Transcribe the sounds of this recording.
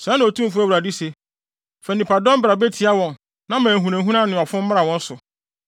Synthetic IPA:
sã˦nʊ̃˨o˨tʰũ˦m˦fʊ˦æ˦wu˨ɾa˨di˦se˨ | fɛ˨nĩ˨pa˨dɔ̃˦m˦bɾa˨be˦tʰi˨a˦wɔ̃˨n | nã˦mæ̃ː˨ɦũ˨næ̃˨˦ɦũ˦nã˦nʊ̃˨a˨fʊ̃˦m̩˦mã˦a˨wɔ̃˦n̩˦sʊ˨

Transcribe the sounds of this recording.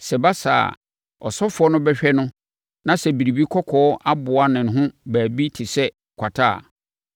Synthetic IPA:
sɛ˨ba˦sa̰˨ | ɔ˨sɔ˦fʊ˨ɔ˦nʊ̃˦bɛ˦ɕᶣɛ˦nʊ̃˦ | nã˦sɛ˨bi˨ɾi˨bi˦kʰɔ˦kʰɔː˨ɔ˦ʔa˦bʊ˨a˦nɪ̃˨n˨ɦʊ̃˦bæː˨bi˦tʰɪ˨sɛ˦ | kʷʰa˨tʰa̰ː˦˨

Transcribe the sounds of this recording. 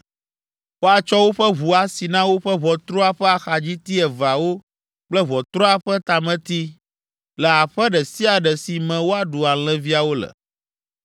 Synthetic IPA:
wo˦a˨t͡ʃɔ˦wo˦ɸɛ˦βu˨a˨si˨nã˦wo˦ɸɛ˦βɔ˨t̪ɾɔ˦a˨ɸɛ˦a˨xa˨d͡ʑi˦t̪i˦ɛ˨va˨wo˦ | k͡plɛ˦βɔ˨t̪ɾɔ˦a˨ɸɛ˦t̪a˨mɛ̃˦t̪i˦ | lɛ˨a˨ɸɛ˦ɖɛ˨si˦a˨ɖɛ˨si˨mɛ̃˨wo˦a˨ɖu˨a˨l̃ɛ̃˦vi˦a˨wo˦lɛ̰˨

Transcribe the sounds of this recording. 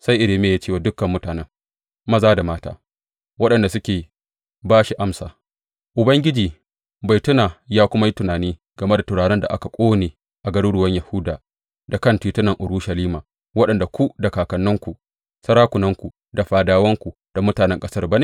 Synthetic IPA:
sa˦jʔɪ˨ɽeː˨meː˦˨jaː˦t͡ʃeː˦˨waː˨dʊ˦kːɐ˨mːʊ˦taː˨nɛ˦ŋ | mɐ˦zaː˦da˨maː˦ta̰ː˦ | wɐ˦ɗɐ˨nda˨sʊ˦kʲeː˨ | baː˦ʃi˨ʔa˦msaː˨ | ʔʊ˨bɐ˦ŋɡʲɪ˦d͡ʒiː˨ | ba˨jtʊ˦naː˨jaː˦kʷʊ˦ma˦ji˦tʊ˨naː˨niː˦ | ɡ̥ɐ˨me˦da˨tʊ˨ɽaː˨ɽɛ˦nda̰˨ʔa˦ka˨kʷʼoː˦neː˨ | ʔa˨ɡɐ˦ɽuː˦ɽʊ˨wɐ˦ɲja˨hʊ˦daː˨ | da˨kɐ˦˨ntiː˨tʊ˦nɐ˨ŋʔʊ˨ɽuː˦ʃɐ˨liː˦maː˨ | wɐ˦ɗɐ˨nda˨kʷu˦da˨kaː˨kɐ˨nːʊ˦ŋkʷu˨ | sɐ˦ɾaː˦kʷʊ˨nɐ˦ŋkʷu˨ | da˨ɸaː˨daː˨wɐ˦ŋkʷu˨ | d̥a˨mʊ˦taː˨nɛ˦ŋkʼɐ˦sɐ˦rba˦ne˦˨

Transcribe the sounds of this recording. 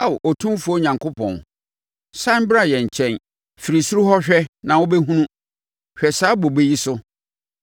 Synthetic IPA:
a˨wʔɔ˨tʰũ˦m˦fu˦ɔ˦ɲã˨ŋkʰo˦pʰɔ̰̃˨n | sã˦m˦bɾa˦˨jɛ˨ɲ̩˨t͡ɕʰɛ̃˨n | fi˨ɾi˨su˦ɾu˦hɔ˦ɕᶣɛ˦nã˨wʊ˦bɛ˦ɦũ˦nũ˦ | ɕᶣɛ˨saː˨˦bo˨be˦ji˦sʊ˦

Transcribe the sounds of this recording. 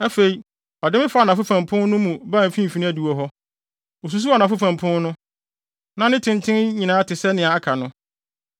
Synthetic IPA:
æ˦fe˨i˨ | ɔ˨dɪ˦mɪ̃˦fa˦˨nã˨fʊ˦fã˨mpʰʊ̃˦n˦nʊ̃˦mũ˨bã˦˨m˨fĩ˦m̩˨fi˨ñ˦æ˦˨du˨o˨ɦɔ˦ | o˨s̬u˨˦s̬u˦a˨nã˨fʊ˦fã˨mpʰʊ̃˦n˦nʊ̃˦ | nã˦nɪ̃˦tʰɪ̃˨ntʰɪ̃˦nɲĩ˨nãː˨˦tʰɪ˨sɛ˦nɪ̃˨a˨a˦kʰa˨nʊ̃˦

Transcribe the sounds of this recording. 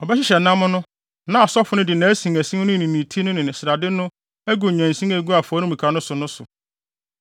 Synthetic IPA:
ɔ˨bɛ˦ɕɪ˦ɕɛ˨nã˦mʊ̃˦nʊ̃˦ | nã˦a˨sɔ˦fʊ˨˦nʊ̃˦dɪ˨nã˨˦æ˦sĩ˨ŋæ˨sĩ˦ŋ˦nʊ̃˦˨nĩ˨nĩ˨tʰi˦nʊ̃˦nɪ̃˨nɪ̃˨sɾa˨dɪ˦nʊ̃˦ | æ˦ɡu˨ɲæ̃˨n̩˨sĩ˦ŋæ˨˦ɡu˦a˨fɔ˨˦nʊ̃˦mĩ˨kʰa˨˦nʊ̃˦sʊ˨nʊ̃˦sʊ˨

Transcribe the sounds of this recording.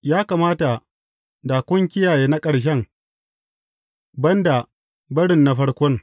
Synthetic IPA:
jaː˦kaː˨maː˦ta˨ | daː˨kʷʊ˦ŋk̬ʲɪ˦jaː˨jeː˦na˦kʼɐ˨ɽʃ̬ɛ˦ŋ | bɐ˦nda˨ | bɐ˦ɽɪ˨nːa˨ɸɐ˦ɽkʷɔ˦ŋ

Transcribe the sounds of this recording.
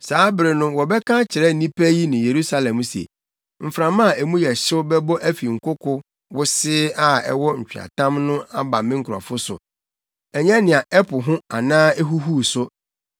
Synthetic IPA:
saː˨˦bɾɪ˨nʊ̃˦wɔ˨bɛ˦kʰã˦t͡ɕʰɪ˨ɾɛ˦n̩˨nĩ˦pʰæ˦ji˦nɪ̃˨je˨ɾu˦sa˦lɛ̃˨m˦sḛ˨ | m̩˨fɾã˨mã˦˨e˨mũ˦jɛ˨ɕɪ˦ʊ˦bɛ˦bɔ˦ʔæ˦fi˨ŋ̩˨kʰʊ˦kʰʊ˦ | wʊ˦sɪ˦a˦ɛ̰˦wɔ˦ɲ̩˨t͡ɕᶣi˨a̰˨tʰã˦mnʊ̃˦a˦ba˨mɪ̃˦ŋ̩˦˨kʰɾɔ̰˨fʊ˦sʊ̰˨ | ɛ˨ɲɛ̃˦nɪ̃˨a˨ɛ˦pʰʊ˨ɦʊ̃˦a˨nãː˦ɛ˦ɦu˦ɦu˦sʊ˦

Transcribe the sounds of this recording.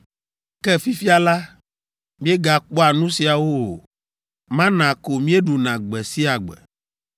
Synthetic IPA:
kɛ˦fi˦fi˦a˨la˦ | mĩ˦e˦ɡa˨k͡pɔ˦a˨nũ˦si˨a˨wo˦o˨ | mã˦nã˨ko˨mĩ˦e˦ɖu˨nã˨ɡ͡bɛ˨si˦a˨ɡ͡bɛ̰˨

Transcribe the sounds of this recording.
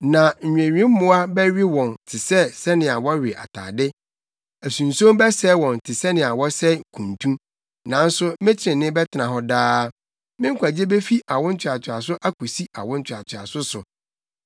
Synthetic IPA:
nã˨ɲ̩˨ɲᶣ˨ẽ˨ɥᶣĩ˦m̩˦mʊ̃˦a˦bɛ˦ɥɪ˦wɔ̃˨ntʰɪ˨sɛ˦sɛ˦nɪ̃˨a˨wɔ˦ɥɪ˨ʔa̰˨tʰa̰ː˨dɪ˦ | æ˨sũ˨n˨sõ˦mbɛ˦sɛ˦wɔ̃˨n˨tʰɪ˨sɛ˦nɪ̃˨a˨wɔ˦sɛ˦˨kʰũ˨ntʰũ˦ | nã˨˦n̩˦sʊ˦mɪ̃˦t͡ɕʰɪ˨ɾɪ̃˨nɪ̃˦bɛ˦tʰɪ˨˦nã˨ɦɔ˦daː˦ | mɪ̃˦ŋ̩˦kʰʷa˨d͡ʑe˦be˦fi˦ʔa˨wʊ̃˦n̩˦t͡ɕʰᶣɪ˨a˨t͡ɕʰᶣɪ˨a˨sʊ˦ʔa˦kʰu˨si˦ʔa̰˨wʊ̃˦n̩˦t͡ɕʰᶣa˨tʰɪ˨a̰˨sʊ˦sʊ˨

